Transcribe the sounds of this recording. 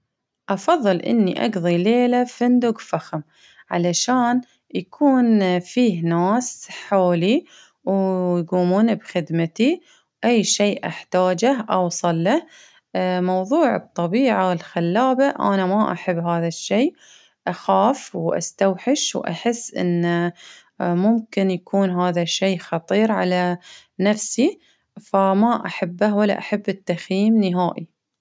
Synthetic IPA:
ʔɑfɑðˤːɨlʔɪ̰nːḭʔɑ̰ɡðˤileːlafɪnd̪ʊɡfaxm | ʕalaʃaːn | jakʰuːnfiːhnaːsħoːli | wjɡuːmuːnbxɪd̪mat̪i | wʔajːʃejːʔaħt̪aːd͡ʒahʔɑwsˤɑlːah | mɑwðˤuːʕɨ̰t̪ˤːɑbiːʕawɪlxalːaːbaʔa̰namaʔa̰ħabːɦaːðaʃːeː | ʔaxaːfwʔa̰st̪awħɪʃwʔa̰ħɪsːʔɪ̰nːa | mʊmkɪnjakʰuːnɦaːðaʃeːxɑt̪ˤiːɾʕala | nafsi | famaʔaħabːahwalːa̰ʔaħabːɪt̪ːaxjiːmnɪɦaːʔi

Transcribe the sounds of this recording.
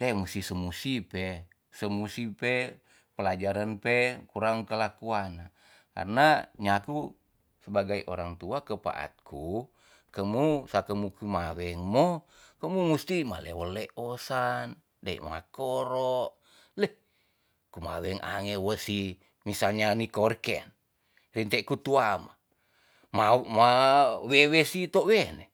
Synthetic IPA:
ɛmust̪isəmusipɛ | səmusipe | pəlad͡ʒaɾanpekuɾaŋkəlakuana | ka̰rnaɲaku | səbaɡaiʔo̰ɾaŋt̪uakəpa̰ʔa̰t̪̚kʰu | kəmusakəmukumawɛŋmo | kəmumust̪ima̰lewolːeʔosan | daḭʔma̰koɾoʔ | le | kuma̰wɛŋʔa̰ŋewəsi | misalɲanikorkɛ̰n | rint̪ɛkut̪uama | mamawewesit̪owɛnɛ

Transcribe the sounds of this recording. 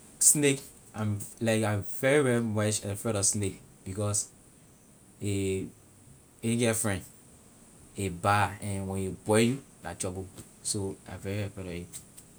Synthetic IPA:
snek | ãmlaɪkãɪvɛɹivɛɹimɛʃɛfɛɾɔsnek | bikɔs | e | eɡɛfɹɛ̃nd | ebaɛ̃nwɛ̃nebɔjulatɹɔbo | soã̰vɛɹivɛfɛɾɔit

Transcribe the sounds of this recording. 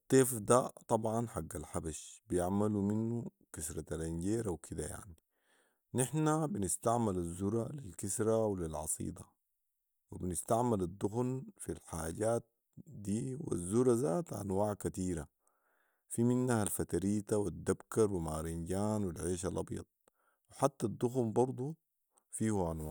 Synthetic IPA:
t̪ːeːfd̪at̪ˤɑbʕɑnħaɡːalħabaʃbijaʕmaluminːu | kasɾˤɑt̪alinɟeːɾʔawkʰid̪aja̰ʕni | nɪħnabinɪst̪aʕmalazːuɾˤalilkisɾawlilʕɑ̰sˤḭːd̪ɑ | wibnɪst̪aʕmalad̪ˤːuxnfilħaːɟaːt̪̚ | d̪iːwḭzːuɾazaːt̪ʕa̰nwaːʕkat̪iːɾa | fiminːahalfat̪aɾiːt̪awid̪ːabkɑɾwimaːɾinɟaːnwilʕeːʃ̬alʔɑbjɑ̰d̪̚ˤ | wɪħat̪ːad̪ːuxnbɑɾˤd̪ˤu | fiːhuʔanwaːʕ

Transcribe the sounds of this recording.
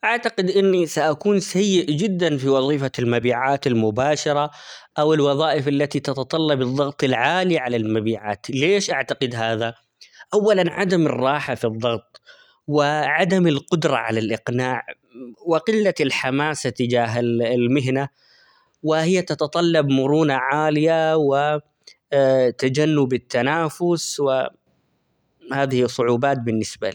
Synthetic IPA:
ʔaʕt̪aqɪd̪ʔɪnːisaʔakuːnsajːɪʔd͡ʒɪd̪ːanfiwɑðˤiːfalmabiːʕaːt̪almʊbaːʃɑɾˤɑʔawɪlwɑðˤɑːʔɪfalːat̪it̪ɑt̪ɑt̪ˤɑlːɑbɨðˤːɑɣt̪ˤɪlʕaːliʕalalmabiːʕa̰ːt̪leːʃʔaʕt̪aqɪd̪ɦaːða | ʔawːalanʕad̪amɪ̰rˤːɑːħafiðˤːɑɣt̪ˤ | wɪʕad̪amɪlqʊd̪ɾˤɑ̰ʕa̰lalʔɪqnaːʕ | wɪqɪlːalħamaːsat̪ɪd͡ʒaːɦɪlmɪɦna | wɪhɪjːat̪ɑt̪ɑt̪ˤɑlːɑbmʊɾuːnaʕaːlɪjawɪ | t̪ad͡ʒanːʊbɪt̪ːanaːfʊswɪ | haːðɪhɪsˤːʊʕuːbaːt̪̚bɪnːɪsbaliː

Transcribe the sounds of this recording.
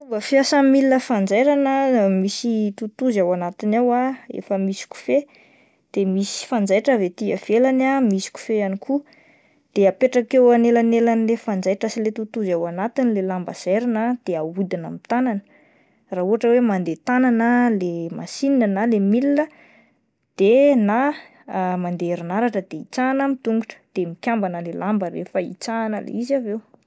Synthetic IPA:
uŋɡəfiasamilinəfand͡zajɾanəmisit̪ut̪uzawanat̪inawaḛfəmisi̥ku̥fe | d̪̥emisi̥fand͡zajʈ͡ʂavet̪iə̰v̥elanamisi̥ku̥fejanikʰu | d̪̥eapeʈ͡ʂakewanelanelanilefand͡zajʈ͡ʂasilet̪ut̪uzawanat̪inlelambə̰z̥eɾanəd̪̥eaud̪ina̰mit̪ananə̥ | raɦuɦaʈ͡ʂəwemand̪et̪ananəlema̰sininənalemilinə | d̪̥ena | mand̪eeɾinaɾaʈ͡ʂəd̪̥eit͡sanəmit̪uŋɡuʈ͡ʂə̥d̪̥emikʲambanəlelʔambəɾḛfəḭt͡saːnəlḛizavew

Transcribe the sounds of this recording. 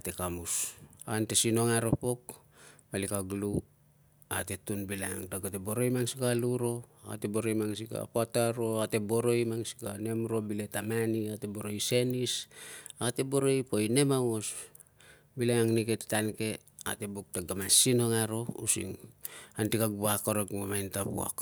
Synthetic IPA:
ate̞kamusantesino̞ŋaɾo̞po̞k | palikaɡlu | ate̞tunbila̰ŋa̰ŋtaɡate̞bo̞ɾo̞jmaŋsikaluɾo̞a̰te̞bo̞ɾo̞jmaŋs̬ika̰poataɾo̞ate̞bo̞ɾo̞jmaŋsi̥kane̞mɾo̞bile̞tamaniate̞bo̞ɾo̞jse̞nisate̞bo̞ɾo̞jpoine̞maŋos | bilaŋaŋnike̞te̥tanke̞ | a̰te̞buk̚taɡamasino̞ŋaɾo̞ṵsḭŋantikaɡubakoɾokmamajntapṵa̰k

